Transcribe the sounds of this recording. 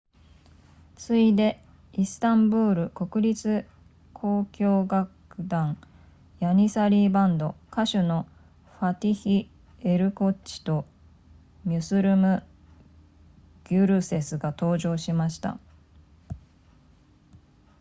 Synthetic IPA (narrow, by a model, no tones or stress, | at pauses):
t͡sɨid̪e̞ | isɨ̥t̪ãmbɯːɾɯ̟ko̞kɯ̟ɾʲit͡sɨ | kʰo̞ːkʲo̞ːɡakɯ̟d̪ãŋ | jaɲ̟isaɾʲiːbãnd̪o̞kaɕono̞ | ɸat̪ʲiçi | e̞ɾɯ̟ko̞t͡ɕi̥t̪o̞ | mʲɯsɨɾɯ̟mɯ̟ | ɡ̥ʲɨɾɯ̟se̞sɨɡat̪o̞ːʑo̞ːɕimaɕi̥t̪a̰